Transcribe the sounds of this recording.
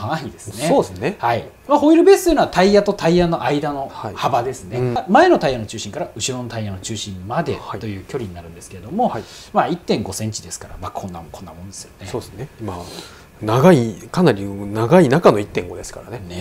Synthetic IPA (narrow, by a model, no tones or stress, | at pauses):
haid̪e̞sɨneosnehai | maho̞iɾɯ̟be̞ːsɨt̪oiɯnoat̪aijat̪o̞t̪ʰaijano̞ʔaid̪ano̞haihabad̪e̞sɨne̞mae̞no̞t̪aijano̞t͡ɕɨːɕĩŋkaɾaɯ̟ɕiɾo̞no̞t̪aijano̞t͡ɕɨːɕĩmmad̪e̞̰hat̪o̞jɯ̟ːkʲo̞ɾʲiɲinaɾɯ̟̃nd̪e̞sɨ̥ke̞ɾed̪o̞mo̞a | mait̪ːẽ̞ŋɡo̞sẽ̞ɲ̟t͡ɕid̪e̞sɨ̥kaɾa̰makʰõ̞nːakʰõ̞nːamõ̞nd̪e̞sɨjo̞nesoːesneima | naɡaikanaɾʲinaɡainakano̞it̪ːẽ̞ŋɡo̞d̪e̞sɨ̥kaɾanene